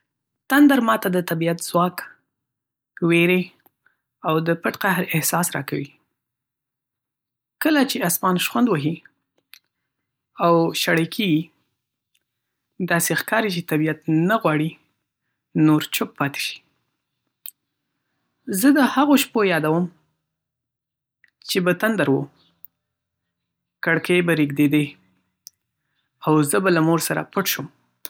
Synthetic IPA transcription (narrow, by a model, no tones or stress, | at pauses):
t̪and̪aɾmɑt̪ad̪ət̪abijat̪z̥wɑk | weɾe | awd̪əpəʈqahɾɪhsɑsɾɑ̰kawi | kəlat͡ʃeasmɑnʃwand̪wəɦi | awʃaɽekʰeɡi | d̪ɑsexkɑɾit͡ʃet̪abijat̪naɣwɑɽi | noɾt͡ʃok̚pɑt̪e̥ʃi̥ | zəd̪əhaɣoʃpojɑd̪awəm | t͡ʃebat̪and̪aɾwo | kaɽkəjbaɾiɡd̪ed̪e | awzəbalamoɾsaɾa̰pəʈʃum